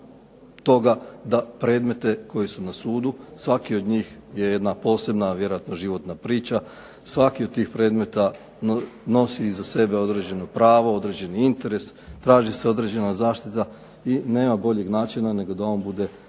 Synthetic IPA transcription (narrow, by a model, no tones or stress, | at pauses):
t̪o̞ɡad̪apɾe̞ːd̪me̞t̪e̞ko̞jesunasuːd̪usʋakio̞d̪ɲiːxje̞je̞d̪napo̞ːse̞bnaʋje̞ɾojat̪noʒiʋo̞t̪napɾiːt͡ʃa | sʋakiod̪̚t̪ːiːxpɾe̞ːd̪me̞t̪a | no̞siːzase̞be̞o̞d̪ɾe̞d͡ʑe̞nopɾaːʋoo̞d̪ɾe̞d͡ʑe̞niint̪e̞ɾe̞st̪ɾaːʒise̞o̞d̪ɾe̞d͡ʑe̞nazaːʃt̪it̪a | ine̞ːmabo̞ʎe̞ɡnaːt͡ʃinane̞ɡo̞d̪ao̞ːnbud̪e̞